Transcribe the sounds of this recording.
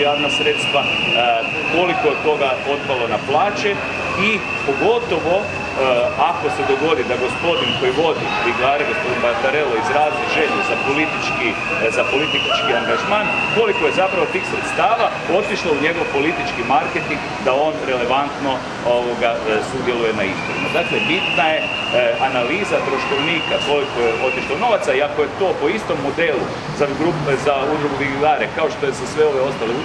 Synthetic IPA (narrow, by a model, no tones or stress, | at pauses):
jaːʋnasɾet̪st̪ʋa | ko̞likoet̪o̞ɡao̞t̪palo̞naplˠaːt͡ʃe | i | po̞ɡo̞t̪o̞ʋo̞ | ako̞sed̪o̞ɡo̞d̪id̪aɡo̞spo̞d̪iŋko̞jiʋo̞d̪i | iɡlaːɾaɡosod̪imbaɾt̪aɾe̞loizɾaːzniɣʒe̞ʎezapolit̪it͡ʃki | zapo̞lit̪it͡ʃkiaŋɡaʒmaːnko̞liko̞je̞zapɾaʋo̞t̪iːxsɾet̪st̪aːʋa | o̞t̪iʃlˠauɲe̞ɡo̞ʋpo̞lit̪it͡ʃkimaɾket̪iŋɡd̪ao̞nɾe̞le̞ʋant̪no̞ | oʋo̞ɡasud̪je̞luje̞naizboɾḭma̰d̪aːklebit̪naje̞ | ʔanaliːzat̪ɾo̞ʃko̞ʋniːkasloʋkojeʔo̞t̪iʃlˠauno̞ʋat̪saiakoje̞t̪o̞po̞ist̪o̞mːo̞d̪elu | zaɡɾupzaud̪ɾuɡuʋiɡilaːɾekao̞ʃt̪o̞jesasʋe̞o̞ʋeo̞st̪aleu